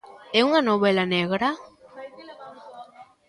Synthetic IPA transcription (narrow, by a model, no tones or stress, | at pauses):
euŋanoβelaneɣɾa